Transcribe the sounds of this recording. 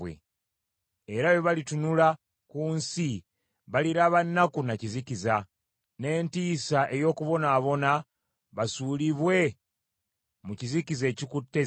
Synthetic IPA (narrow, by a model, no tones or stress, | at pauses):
wḛ | eɾajoβalitunula | kuːnsi | βaliɾaβanːakunaciziciza | ne̞ːntiːsaʔe̞jo̞ːkuβo̞naːβo̞na | βasuliβwe̞ | mucizikize̞ːcikutːe